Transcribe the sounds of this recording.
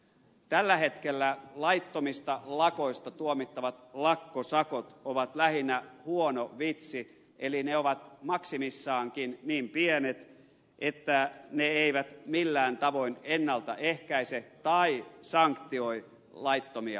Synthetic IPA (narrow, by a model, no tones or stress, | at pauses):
t̪ælːæhet̪kelːælɑit̪ːomist̪ɑlɑko̞ist̪ɑt̪uomit̪ːɑʋɑt̪lɑkːosɑkot̪oʋɑt̪læhinːæhuonoʋit̪si | ʔelineoʋɑt̪mɑksimisːɑːŋkinniːmpienet̪ | ʔet̪ːæneeiʋæt̪milːæːnt̪ɑʋo̞inenːɑlt̪ɑʔehkæiset̪ɑisɑŋkt̪io̞i | lɑit̪ːomiɑ̰